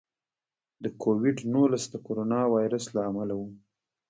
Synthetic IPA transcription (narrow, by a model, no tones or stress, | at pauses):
d̪əkʰowɪɖnulasd̪əkoɾonɑwɑjɾəslaːmalawu